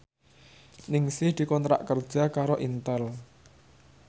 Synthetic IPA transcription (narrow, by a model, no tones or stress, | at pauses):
nɪŋsɪhd̪̥i̤kɔnt̪ɾa̰ʔkərd̥ʒ̥a̤kaɾoʔint̪əl